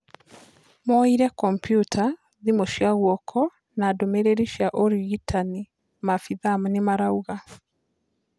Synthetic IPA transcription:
mɔiɾɛkɔmpjutʰa | ðimoʃiaɣwɔkʰɔ | nadomeɾeɾiʃiaʔɔɾiɣitani | mafiðamnemaɾauɣa

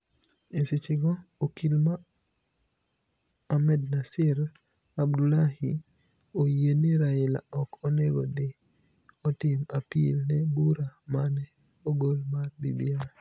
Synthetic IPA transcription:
esɪt͡ʃɪɡɔokilma | mɛd̚nasɪɾ | abdulahi | ojeniɾaɪla̰ɔkɔneɡod̪ɪ | ɔtɪmapḭlnɛbuɾamanɛ | oɡolmarbibia

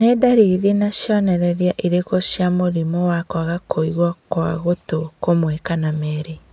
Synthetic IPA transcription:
nedaɾiðinaɕjɔnɛɾɛɾjaʔiɾekoɕjamoɾimɔwakwaɣakʰoiɣwakwaɣotokomwekanamɛːɾe

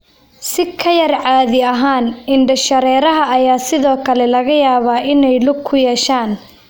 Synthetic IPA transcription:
sɪkʰɐjɐrʕaːðɪɐɦaːnɪɳɖɐʃɐɾɛːɾɐɦɐɐjaːsɪðɔːkʰɐlɛlɐɣɐjaːβaːʔɪnɛjlʊɡ̚kʰʊjɛːʃaːn

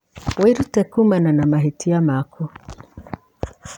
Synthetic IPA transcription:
wiɾutɛkumananamaɦitiamakʰu

